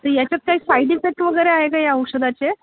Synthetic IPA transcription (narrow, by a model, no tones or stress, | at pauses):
t̪əɾjat͡ɕjat̪̚kaɦiːsajɖifek̚ʈʋəɡəjɾeaɦekaɦjəwʂəd̪at͡ɕe